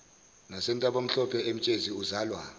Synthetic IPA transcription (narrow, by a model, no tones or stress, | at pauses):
nasɛntʼaɓom̩ɬɔpʰɛʔem̩t͡ʃʼeziuzaːlwa